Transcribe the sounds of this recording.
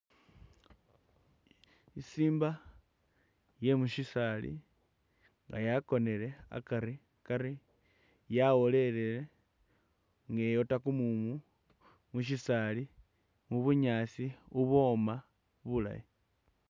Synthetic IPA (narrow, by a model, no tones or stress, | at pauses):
isiːmba | je̞muʃisalḭ | ŋɡa̰jako̞ne̞le̞a̰kaɾi | kaɾi | jawo̞le̞lele | ŋɡejo̞takumumu | muʃ̬isali | muβuɲaːt͡siuβo̞ma | βula̰ji